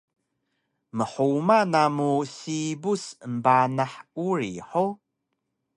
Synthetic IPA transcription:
məħumanamusibusəmbanaħuɾḭħo

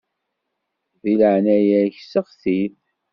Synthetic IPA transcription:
ðiləʕnæjæçsəʁθiθ

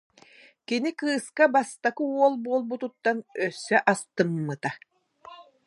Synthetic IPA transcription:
kinikɯːskabast̪akɯuɔlˠbuɔlˠbut̪ut̪ːanœsːœʔast̪ɯmːɯt̪a

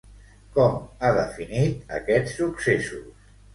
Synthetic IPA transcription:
kɔmaðəfinit̪̚ə̰kɛt͡ssːuksesus

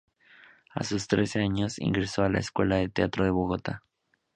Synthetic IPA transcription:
a̰sust̪ɾe̞se̞aɲo̞sḭŋɡɾe̞so̞ala̰eskwe̞laðe̞t̪eat̪ɾoðe̞βo̞ɣot̪a

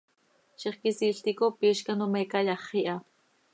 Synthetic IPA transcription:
ʃiχkisiːɬt̪ikopiːʃkanomekajɑχiʔa

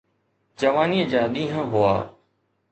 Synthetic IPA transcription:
d͡ʒəʋaːniːəd͡ʒaːɗ̪ĩːɦə̃ɦʊa̰ː

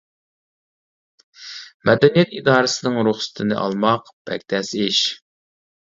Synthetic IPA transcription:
mɛd̪ɛnijɛt̪id̪ɑːɾɨsɨnɨŋɾuχsɨ̥t̪ʰnɨ̰ʔɑ̰lˠmɑq | b̥ɛ̰k̚ʲt̪ʰɛsɪʃ

